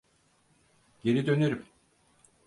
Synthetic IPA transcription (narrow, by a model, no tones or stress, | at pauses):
ɟ̥e̞ɾid̪ø̞neɾym